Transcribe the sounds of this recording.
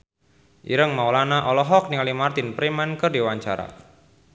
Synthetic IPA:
ʔḭɾəŋmawlanaʔɔlɔɦɔk̚nikalimart̪ɪnpɾimankərdiwaɲt͡ʃaɾa̰

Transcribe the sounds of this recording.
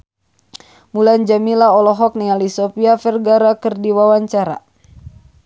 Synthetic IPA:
muland͡ʒamilaɔlɔɦɔk̚nialisɔpiafɛrɡaɾakɨrdiwawaɲt͡ʃaɾa̰

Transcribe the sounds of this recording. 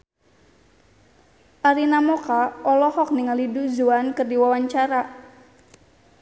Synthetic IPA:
ʔaɾinamokaɔlɔhɔk̚niŋaliduzuankɨrdiwawaɲt͡ʃaɾa

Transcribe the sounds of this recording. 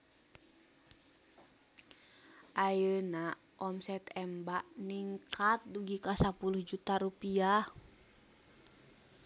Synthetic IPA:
ʔajəna | ɔmsɛt̪ɛmbaʔniŋkʰat̪̚duɡikasapuluhd͡ʒut̪aɾupia

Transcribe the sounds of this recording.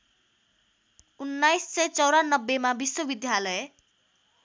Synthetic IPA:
unːajsːʌjt͡sʌwɾanʌbːemabiswobid̪jalʌje

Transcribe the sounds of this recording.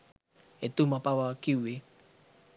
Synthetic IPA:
et̪umapawakiwe

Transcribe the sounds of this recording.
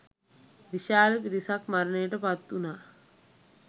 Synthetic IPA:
ʋiʃaːlɐpiɾisakmaɾɐnejːʈəpat̪ːuna

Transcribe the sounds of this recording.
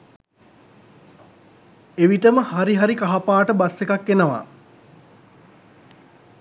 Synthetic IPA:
eʋiʈəməhaɾiɦaɾikaɦapaːʈəbasekakːenəʋa̰

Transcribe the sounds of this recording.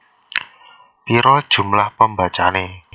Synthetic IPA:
piɾɔd̥ʒ̥ṳmlahpəmbat͡ʃane

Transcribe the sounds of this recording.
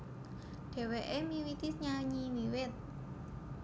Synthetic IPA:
ɖ̪̥ɛ̤weʔemiwik̪isɲaɲimiwɪt̪̚

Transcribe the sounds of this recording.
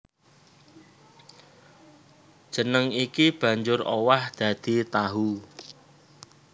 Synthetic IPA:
ʒ̥ə̤nəŋikib̥ä̤ɲd͡ʒʊrowahd̪̥ä̤d̪̥i̤t̪aɦu

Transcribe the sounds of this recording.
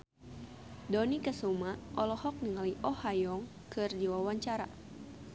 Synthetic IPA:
dɔnikəsumaʔɔlɔhɔk̚niŋaliʔɔhajɔŋ | kɨrd͡ʒiwawaɲt͡ʃaɾa̰

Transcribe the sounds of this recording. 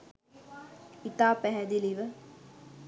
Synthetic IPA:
it̪aːpæɦɛd̪iliʋə

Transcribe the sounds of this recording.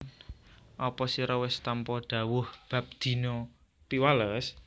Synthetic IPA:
ʔɔpɔsiɾɔwɪst̪ampɔɖ̥a̤wʊhb̥a̤p̚d̪̥i̤nɔ | t̪iwaləs

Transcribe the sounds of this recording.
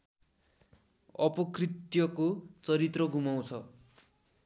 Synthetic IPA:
ʌpʌkrit̪jʌkot͡sʌɾit̪rʌɡumaw̃t͡sʰʌ

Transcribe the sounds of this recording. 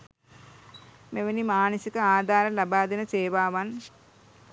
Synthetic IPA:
meʋɐnimaːnɐsikɐaːd̪ʱaːɾɐlɐbaːd̪inɐt͡ʃeːʋaːʋan

